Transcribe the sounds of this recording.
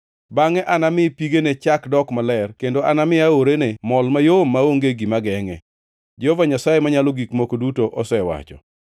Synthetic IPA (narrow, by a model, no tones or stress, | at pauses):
baŋɛʔanamɪpiɡenet͡ʃakdɔkmalɛrkendoʔanamɪaoɾenemɔlmajomːaoŋɡeɡimaɡɛŋɛ̰ | d͡ʒovaɲasajemaɲalɔɡikmokodutoʔɔsɛwa̰t͡ʃɔ̰